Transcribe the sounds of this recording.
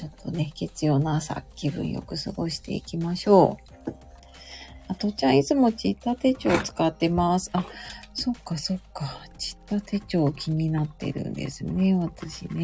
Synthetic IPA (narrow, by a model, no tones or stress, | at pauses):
t͡ɕo̞t̪ʰːo̞ne̞ke̞t͡sɨjo̞ːnasa̰kʲːibɯ̟̰̃ɰ̃jo̞̰kɯ̟sɨɡo̞̰ɕi̥t̪e̞̰ikʲimaɕo̞ː | at̪o̞t͡ɕãit͡sɨmo̞t͡ɕit̪ːat̪e̞t͡ɕo̞ːt͡sɨ̥kat̪ːe̞masɨ̥aso̞kːaso̞kːat͡ɕi̥t̪ːat̪e̞t͡ɕo̞ːkʲʰimʲinat̪ːe̞̰ɾɯ̟̰̃nd̪e̞̰sɨne̞βat̪aɕine̞